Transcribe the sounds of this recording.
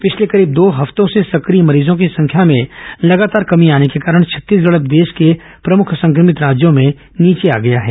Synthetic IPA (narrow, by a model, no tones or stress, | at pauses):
pɪt͡ʃʰlekɐɾiːb̚d̪oːɦɐft̪õsesɐkɾimɐɾiːzõkisɐ̃ŋkʰjamẽlɐɡaːt̪aːɾkɐmiaːnekekaːɾəɽ̃t͡ʃʰɐ̥t̪ːiːs̬ɡɐɭət̪̚d̪eːʃke | pɾɐmʊkʰsɐ̃ŋkɾəmɪt̪ɾaːd͡ʒjõmẽ | niːt͡ʃea̰ːɡɐjaɦɛ̰ː